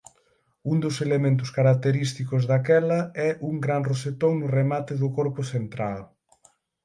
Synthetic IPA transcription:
und̪ʊselemẽnt̪̬ʊskaɾak̚t̪eɾist̪ikʊzðakɛlɐɛʔuŋɡɾaŋroset̪oŋnʊremat̪ɪðʊkɔɾpʊθent̪ɾal

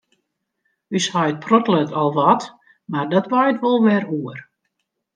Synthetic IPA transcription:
yshɔjt̚pʰrɔtlətʰɔlˠʋɔt | mardɔtʋajtʋolˠʋɛɾuər

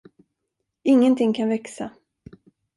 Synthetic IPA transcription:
ɪŋːənt̪ʰɪŋkʰanvɛksa

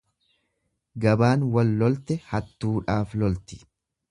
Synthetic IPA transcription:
ɡɐbaːnwɐlːɔlt̪ɛhɐt̪ːuːᶑaːflɔlt̪ɪ̥

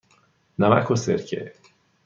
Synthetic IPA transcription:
nama̰ʔkʰoseɾcʰe

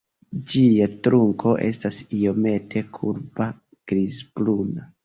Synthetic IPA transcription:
d͡ʒiatɾuŋko̞ʔe̞̰stasio̞me̞tʰe̞kʰuɾba | ɡ̥ɾizbluna

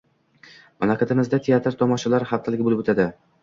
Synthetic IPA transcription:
malakat̪ʰɪmɪzd̪at̪ʰejat̪ɾt̪ʰɒmɒʃalaɾhaft̪ʰalɪɡʲbolɪpot̪ʰad̪ɪ

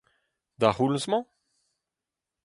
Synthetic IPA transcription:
d̪aʁulsmɑ̃

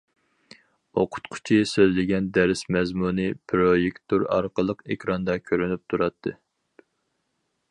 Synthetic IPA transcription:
oqʰʊ̥t̪qʰʊ̥t͡ʃʰisøzlɪɡʲɛnd̪ɛɾɪsmɛzmunɨpʰɾojekʲt̪ʰuɾɑ̰ɾqəlˠəqekʲʰɾɑnd̪ɑkʲʰøɾynyp̚t̪ʰuɾɑt̪ʰːɨ

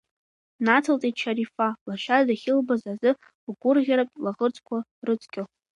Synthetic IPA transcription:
nat͡sʰalt͡sʼett͡ʃʰaɾifalaʃʷᶣadaχʲɪlbazazɨ | ɡʷʊrʁʲaɾapʼlaʁərt͡sʰʼkʷʰarɨt͡sʰʼkʲʼɪ

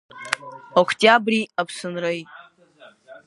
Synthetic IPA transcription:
okʰtʲʼabriapʰsɨnrɨjʼ

